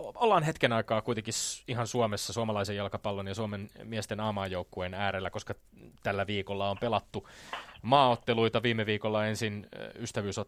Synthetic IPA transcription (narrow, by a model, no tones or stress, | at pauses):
olːɑːnɦet̪kenɑikɑːkuijt̪ekisihɑnsuomesːɑsuɑmɑlɑisejjɑlkɑpɑlːonjɑsuomenmiæst̪enɑːmɑːjjoukːuenæːɾelːæko̞skɑ | t̪ælːæʋiːkolːɑompelɑt̪ːumɑːot̪ːeluit̪ɑʋiːmːeʋiːkolːɑensinyst̪æʋyːso